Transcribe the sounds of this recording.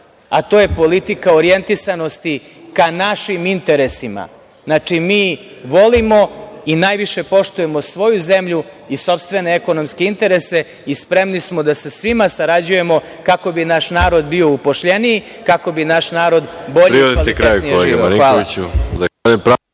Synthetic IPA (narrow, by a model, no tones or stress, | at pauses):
at̪oːje̞po̞lit̪ikaoɾije̞nt̪isano̞st̪i | kanaʃimint̪e̞ɾe̞sima̰ | znat͡ʂimiːʋo̞limo̞inajʋiʃe̞po̞ʃt̪uje̞mo̞sʋo̞juze̞mʎu | iso̞pst̪ʋe̞neeko̞no̞mske̞int̪e̞ɾe̞se̞ | ispɾe̞mnismod̪asesʋimasaɾad͡ʑuje̞mo̞ | kako̞binaʃnaːɾo̞d̪bio̞upoʃʎenijikako̞binaʃnaːɾo̞d̪bo̞ʎepɾiid̪alt̪itkɾeajuknijeolʒeɡɡniaːl | epɾa